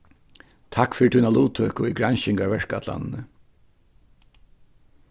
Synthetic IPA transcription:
t̪ʰakfʏɾt̪ʰunaluːt̪ʰøːkʊiɡɾɹanɕɪŋkaɹʋɛʂka̰t̪la̰nːnə

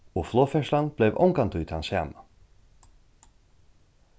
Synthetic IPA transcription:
ɔɣflˠɔfɛslanb̥lejvɔ̰wŋkant̪ʏːt̪ansa̰ːma

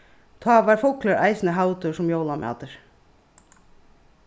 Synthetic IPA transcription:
t̪ʰɑːʋɑːɾfʊkləɾʔæ̰ɪsnəɦaʊt̪ʊʂʊmjoːlamʔɑ̰ːt̪əɾ

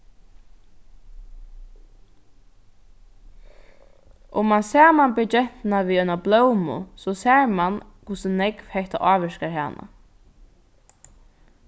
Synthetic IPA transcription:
ʔʊmːansaːmanbʏd͡ʒɛht̪ɪnaʋiːœʏnablœwmʊ̰sɔsɛːɹmankʰʊsʊnɛkvhɛht̪a̰ʔɑːʋɛʃkaɹha̰ːnʔa̰

